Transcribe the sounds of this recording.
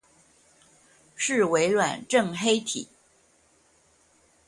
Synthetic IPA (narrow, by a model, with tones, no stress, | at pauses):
ʂɻ̩˥˩we˧˥ɪlwa˨˩nʈ͡ʂɤ˥˩ŋxe˥ɪt̪ʰḭ˨˩˦